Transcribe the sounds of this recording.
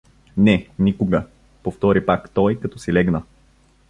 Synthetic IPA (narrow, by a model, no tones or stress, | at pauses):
nɛnikʊɡə | poft̪ɔɾipakt̪ɔjkɐt̪ɔsilɛɡnə